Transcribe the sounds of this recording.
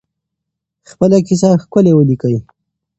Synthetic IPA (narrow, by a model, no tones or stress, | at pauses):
xpəlak̬is̬axkʊlewəlikəj